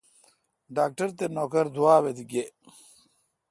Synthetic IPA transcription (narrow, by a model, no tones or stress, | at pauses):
ɖaːk̚ʈɐɾt̪enoːkɐɾd̪uwaːwed̪iɡe